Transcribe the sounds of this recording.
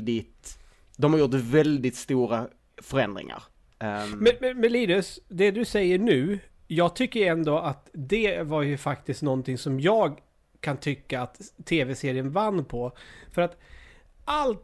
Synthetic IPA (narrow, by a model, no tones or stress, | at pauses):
d̪ɪt̪ | d̪ɔmhaɾjʊt̪vɛld̪ɪt̪st̪uːɾa | fœɾɛnd̪ɾɪ̰ŋa̰ɾ | mɛnmɛnmɛnliːd̪ɵsd̪ɛd̪ɵsɛjːəɳʉ̟ːjɑːɡ̚t̪ʰʏkːəjɛnd̪oat̪d̪ɛvaɾjɵfakt̪ɪskt̪nɔnt̪ɪŋsɔmjɑːɡ | kʰant̪ʰʏkːaːt̪ʰːeːvɛseːɾɪənvanːpʰɔfœɾat̪ | ʔalt̪